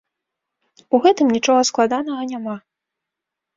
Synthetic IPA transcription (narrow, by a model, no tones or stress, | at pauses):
uɣɛt̪ɨmnʲit͡ʂɔɣɐsklˠad̪anɐɣɐnʲama